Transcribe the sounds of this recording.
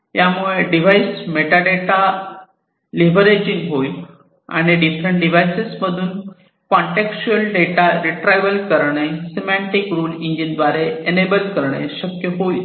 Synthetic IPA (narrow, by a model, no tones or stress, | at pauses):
jamuɭeɖiʋaismeʈaɖeʈa | liʋəɾed͡ʑiŋɡɦoi | a̰ɽ̃iɖifɾəɳʈ̚ɖiʋajsesməd̪ʱuːn | kɔɳʈekst͡ɕuəlɖeʈaɾiʈɾajʋəlkəɾɳ̃esimaɳʈikɾuːliɲd͡ʑind̪ʋaɾeenebəlkəɾɳ̃ḛɕəkjəɦoi